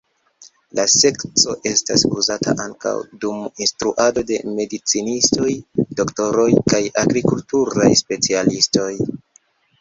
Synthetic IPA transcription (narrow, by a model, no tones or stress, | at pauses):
lase̞kt͡so̞ʔe̞sta̰suzatʰa̰ʔaŋka̰wduminstɾuʔado̞de̞me̞dit͡sinisto̞jdo̞kto̞ɾo̞jkajaɡɾikultuɾajspe̞t͡sialisto̞j